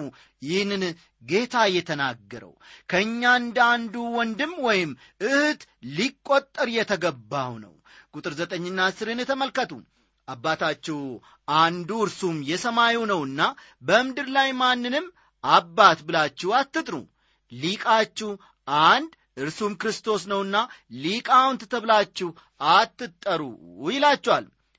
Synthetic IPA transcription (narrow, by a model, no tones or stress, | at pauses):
jɪhnɨn | ɡe̞t̪ʰajɛt̪ʰənaɡːəɾə̰wkʰəɨɲːand̪and̪uwɔnd̪ɨmːwɔjɪm | ɨhɨt̪ | likʼːot̪ʼːəɾjɛt̪ʰəɡəbːawnə̰w | kʼut̪ʼɨɾzət̪ʼəɲːɨnːasɨɾɨnɛt̪ʰəməlkət̪ʰṵ | ʔabːat̪ʰat͡ʃːɛw | and̪uɨɾsumjɛsəmajunəwɨnːa | bəɨmd̪ɨɾlajmanːɨnɨm | ʔabːat̪bɨlat͡ʃːɛhat̪ːɨt̪ʼɾṵ | likʼat͡ʃːɛh | ʔand̪ | ʔɨɾsumkɾɨst̪ʰo̞s̬nəwɨnːalikʼawnt̪ʰɨt̪ʰːəβlat͡ʃːɪh | at̪ːɨt̪ʼːəɾṵjɪlat͡ʃːɛwa̰l